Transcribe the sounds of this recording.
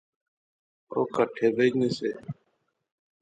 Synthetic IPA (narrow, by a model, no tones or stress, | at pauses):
o̰ːkəʈʰeːbed͡ʒnesḛː